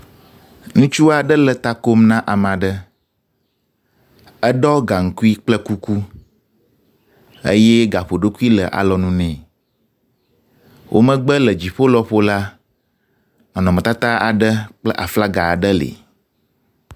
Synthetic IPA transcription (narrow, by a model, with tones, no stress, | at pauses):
ŋũ˦t͡ʃu˦a˨ɖə˦lə˨t̪a˦ko˦mnã˦ʔa˨mã˨ɖə˦ | ə˦ɖɔ˦ɡa˨ŋ̩˨ku˦i˦k͡plə˦ku˦ku˦ | ə̰˦jɛ˦ɡa˨ɸo˨ɖo˦ku˦i˦lə˨ʔa̰˨lɔ˨nũ˦nɛ̃˨ | wʔo̰˦mə̃˦ɡ͡bə˦lə˨d͡ʑi˨ɸo˦lɔ˦ɸo˦la˦ | nɔ̃˨nɔ̃˨mə̃˨t̪a˦t̪a˦a̰˨ɖə˦k͡plə˦ʔa̰˨fla˦ɡa˨ɖə˦lḛ˨